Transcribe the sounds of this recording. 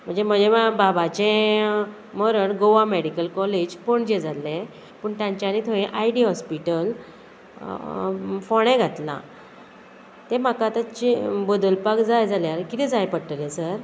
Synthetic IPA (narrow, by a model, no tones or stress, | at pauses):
m̤əɳd͡zem̤əɳd͡zemababat͡ɕẽ | məɾəɳɡoʋameɽikəlkɔled͡ʑpoɳd͡ʑed͡zalːẽ | pəɳt̪jãɲt͡ɕjanit̪ʰoẽʔajɖiɦɔspiʈəl | foɽ̃ẽɡʱat̪lã̰ | t̪ẽm̤akat̪at͡ɕibəd̪əlpakd͡zajd͡zaljaɾkit̪ĩd͡zajpəɽʈəlẽsəɾ